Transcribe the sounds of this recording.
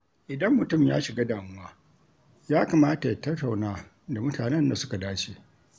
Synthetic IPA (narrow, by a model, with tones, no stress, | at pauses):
ʔɪ˨dɐ˦mːʊ˨tʊ˦˨mja̰ː˦ʃɪ˨ɡa˦daː˨mʊ˦waː˦ | jaː˦ka˨maː˦ta˨ja˨tɐ˦tːa˨wnaː˦ | da˨mʊ˦tʰaː˨nɛ˦nda˨sʊ̥˦ka˨daː˦t͡ʃeː˨